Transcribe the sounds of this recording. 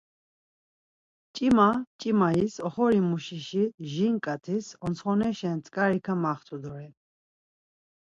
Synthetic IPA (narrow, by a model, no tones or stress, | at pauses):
t͡ʃʼimat͡ʃʼimaisɔχɔɾimuʃiʃiʒiŋkʼat̪ʰisɔnsʰχɔnɛʃɛnt͡sʼkʼaɾikʰamaχt̪ʰud̪ɔɾɛ